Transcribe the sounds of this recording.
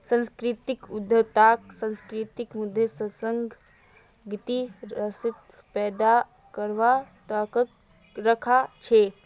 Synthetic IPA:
sə̃nskɾɪt̪ikud̪ʱːəʋt̪aːksə̃nskɾit̪ikmʊd̪ʱːjesəsə̃ŋɡ | ɡit̪iəsit̪ | pɛːd̪a | kəɾʋat̪akət | ɾəkʰat͡ʃʰe

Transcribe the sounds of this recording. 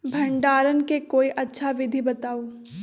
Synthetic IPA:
bʱɐ̃ɳɖaːɾənkekoːiʔɐtːʃʰaʋɪd̪ʱibɐt̪aːoː

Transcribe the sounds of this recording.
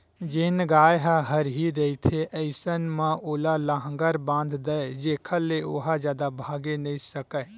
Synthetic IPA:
d͡ʒeːnɡaːjɦaɦəɾɦiɾəit̪ʰeʔəɪsənmãoːlalaːɦŋɡəɾbãːnd̪d̪əed͡ʒeːkʰaleoɦad͡ʒjaːd̪abʱaːɡenəĩsəkə

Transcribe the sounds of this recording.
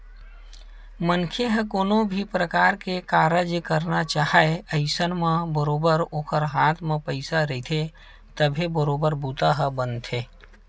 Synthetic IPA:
mənkʰeɦəkoːnobʱipɾəkaːɾkekaːɾəd͡ʒəkəɾnat͡ʃaːɦaeəɪsənmẽbəɾoːbəɾoːkʰəɾɦaːt̪ʰmẽpəɪsaɾəit̪ʰe | t̪əbʱebəɾoːbəɾbuːt̪aɦəbə̃nt̪ʰeː

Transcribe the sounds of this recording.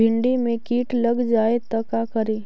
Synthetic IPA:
bʱɪɳɖimẽkiːʈləɡd͡ʒaːet̪ɐkakəɾiː

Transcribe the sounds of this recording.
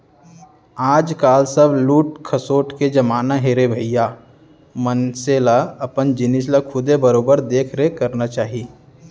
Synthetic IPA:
aːd͡ʒkaːlsəbluːʈkʰɐsoːʈked͡ʒɐmaːnaɦeːɾebʱɐijaː | mənseːlaɐpənd͡ʒɪnɪslakʰʊd̪ebəɾoːbəɾd̪eːkʰɾekɐɾnat͡ʃaːɦi

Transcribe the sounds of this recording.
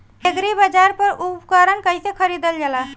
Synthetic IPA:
eɡɾibəd͡ʒaɾpəɾupkəɾənkəjsekʰəɾid̪əld͡ʒɛla

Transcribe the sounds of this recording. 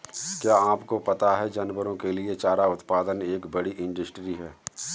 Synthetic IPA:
kjaːaːpkopɐt̪aɦɛd͡ʒaːnbəɾõkeliet͡ʃaːɾaʊt̪paːd̪əneːkbɐɽiʔɪ̃ɳɖəsʈɾiɦɛː

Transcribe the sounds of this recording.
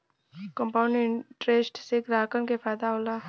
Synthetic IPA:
kəmpaʊɳɖɪ̃ʈɾeːsʈseɡɾaːkənkefʰaːd̪aoːla

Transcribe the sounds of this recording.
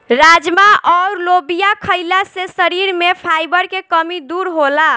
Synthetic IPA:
ɾad͡ʒmaʔɔʊɾlobijakʰəɪlasesəɾiɾmepʰajbəɾkekəmid̪uɾɦola

